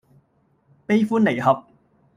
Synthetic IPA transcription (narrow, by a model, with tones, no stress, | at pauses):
pe˥jfuː˥nːe˨˩jɦɐ˨p̚